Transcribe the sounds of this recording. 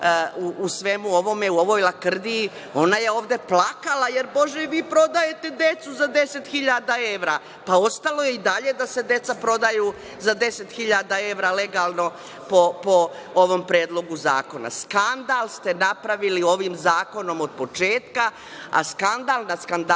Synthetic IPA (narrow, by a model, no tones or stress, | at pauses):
uʔusʋe̞muo̞ʋo̞meuo̞ʋo̞ːjlˠakr̩d̪iː | o̞najeo̞ːʋd̪e̞plakalaje̞ɾbo̞ʒeʋiːpɾo̞d̪aje̞t̪e̞d̪e̞t̪suzad̪e̞se̞t̪xiʎad̪ae̞ʋɾaː | pao̞st̪alo̞je̞id̪aʎe̞d̪ase̞d̪e̞t̪sapɾo̞d̪aju | zad̪e̞se̞t̪xiʎad̪ae̞ʋɾaːle̞ɡaːlˠno̞ | popooʋo̞mpɾeːd̪lo̞ɡuza̰ːko̞na̰skand̪aːlˠst̪e̞napɾaʋilio̞ʋimzaːko̞no̞mod̪̚po̞t͡ʃeːt̪ka | a̰skand̪alˠnaskand̪a